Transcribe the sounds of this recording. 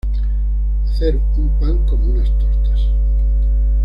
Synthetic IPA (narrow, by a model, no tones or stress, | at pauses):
θeɾ | umpaŋkomunast̪oɾt̪as